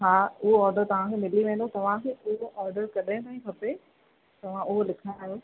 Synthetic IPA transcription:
ɦaːʊɦoɔːɾɖəɾt̪ɐʋ̤ãkʰemɪliʋẽːn̆d̪ot̪ɐʋ̤ãkʰeʊɦoʔɔːɾɖəɾkɐɗãb̪ãĩkʰɐpe | t̪ɐʋ̤ãʊɦolɪkʰajo

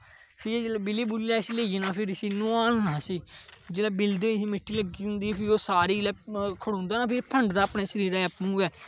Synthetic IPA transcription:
siːd͡ʒeːlaːbɪliːbuːliːlaːsileːienãːpʰɪɾsiːnʊ̃aːnːaːsiːd͡ʒeːlaːbɪld̪isiːmɪʈʰːiːləɡiːɦʊ̃nd̪iːɛːpʰɪoːsaːɾiːlɛːkʰəɽõːnd̪aːnaːpʰɪɾpʰəɳɖd̪aːpneːsəɾiːɾɛːəpnũːɛː

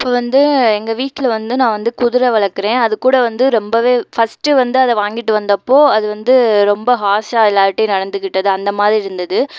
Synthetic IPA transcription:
ɪpːoːʋɐnd̪ɯɛŋɡɐʋiːʈːɪlɐʋɐnd̪ɯnãːʋɐnd̪ɯkʊðɪɾɐʋɐɭɐkːɯɾẽːɐðɯkːuːɽɐʋɐnd̪ɯɾɔmbɐʋeːfɐsʈɯʋɐnd̪ɯɐðɛʋaːŋɡɪʈːɯʋɐnd̪ɐpːoːɐðɯʋɐnd̪ɯɾɔmbɐɦaːsaːɪlːaːɐʈːeːnɐɽɐnd̪ɯkːɪʈːɐðɯɐnd̪ɐmaːðɾiɪɾɯnd̪ɐðɯ

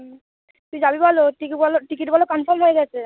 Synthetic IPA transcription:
t̪uid͡ʑabibʱɔloʈikibɔloʈikiʈbʱɔlokɔnfʰɔɾmɦoeɡɛt͡ɕʰe

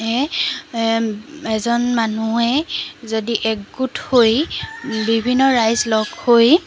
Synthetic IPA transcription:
ɛ | ɛzɔnmanuɛzodiʔɛɡutʰhojbibʱinːɔɹajzlɔɡhoj

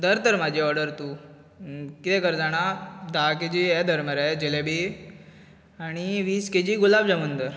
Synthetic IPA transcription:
d̪əɾt̪əɾmad͡ʑʱiɔɾɖəɾt̪uː | kit̪ɛkəɾd͡zaɽ̃ad̪aked͡ʑiːɛd̪ʱəɾməɾajd͡ʑelebe | aɽ̃iʋiːsked͡ʑiːɡulabd͡zaʋənd̪əɾ

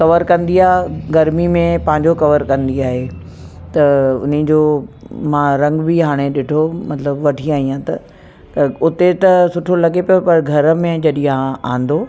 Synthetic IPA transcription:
kɐʋəɾkɐ̃nd̪iaːɦɡɐɾmimẽpɐ̃ɦɪ̃ɲd͡ʑokɐʋəɾkɐ̃nd̪iaːɦe | t̪ɐʊ̰nid͡ʑoː | mãɾɐ̃ŋɡbiɦaːɽ̃eɗɪʈʰomɐt̪ləbʋɐʈʰiaːɦijãt̪ɐ | ʊt̪et̪ɐsʊʈʰolɐɡepɐjopɐɾɡʱɐɾə̆mẽd͡ʑɐɗĩɦãʔã̰ːnd̪o

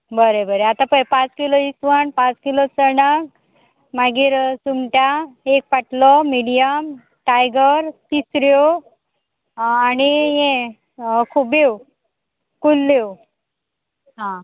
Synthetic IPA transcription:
bəɾebəɾeat̪ãpəjpãt͡skiloisʋaɳpãt͡skilot͡səɽak̚ | maɡiːɾsumʈjaek̚paʈlɔmiɽijəm | ʈajɡəɾt̪isɾo | añijẽ | kʰubew | kulːew | ɦã

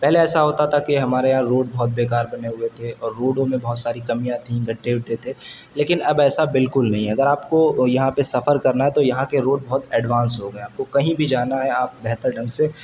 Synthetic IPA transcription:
pɛɦleɛːsaɦoːt̪at̪ʰakeɦɐmaːɾejɐɦãɾoːɖbɔːʊt̪̚beːkaːɾbɐneɦʊet̪ʰeɔːɾːoːɖõmẽbɐɦːt̪saːɾikɐmijãt̪ʰĩɡɐɖʱːeʊʈʰːet̪ʰe | leːkɪnɐbɛːsabɪlkʊlnɐɦĩɛɐɡəɾaːpkojɐɦãpesɐfʰəɾkɐɾnaɦɛt̪ojɐɦãkeɾoːɖ̚bɔɦʊt̪ɛːɖʋãːnsɦoɡɐeaːp̚kokɐɦĩbʱid͡ʒaːnaɦɛaːp̚bɛɦt̪əɾɖɐ̃ŋɡse

